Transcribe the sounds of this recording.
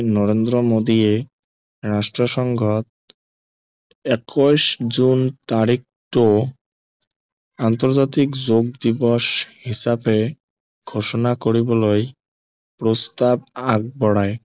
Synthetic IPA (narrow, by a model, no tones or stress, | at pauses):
nɔɾend̪ɾomod̪ie | ɾaʃʈɾoʃɔŋɡʱɔt̪̚ | ɛkʰoʃd͡ʑunt̪aɾik̚ʈo | ant̪oɾd͡ʑat̪ikd͡ʑoɡ̚d̪ibɔʃhiʃabe | ɡʱoʃonakoɾiboloj | pɾost̪ab̚aɡ̚bɔɽae